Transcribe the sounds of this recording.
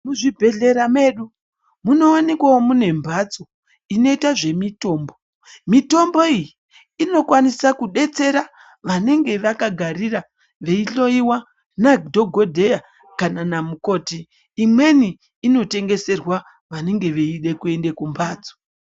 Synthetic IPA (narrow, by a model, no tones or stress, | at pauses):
muʐibʱe̞ɮe̞ɾame̞ɗu | muno̞wanikwawomune̞mbʱat͡so | ino̞itaʐe̞mito̞ːmbo̞ | mito̞mbo̞ijiː | no̞kwanisakuɗe̞t͡se̞ɾa | ʋane̞ŋɡe̞ʋakaɡʱaɾira | ʋe̞iɬo̞iwa | nadʱo̞ɡʱodʱe̞ja | kananamuko̞ːtiː | mwe̞niː | no̞te̞ŋɡe̞se̞rwa | ʋane̞ŋɡe̞ʋeiɗe̞kue̞nde̞kumbʱaːt͡so̥